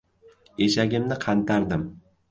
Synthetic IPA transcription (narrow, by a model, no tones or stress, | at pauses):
eʃaɡʲɪmnɪqʰɑnt̪ʰaɾd̪ɪm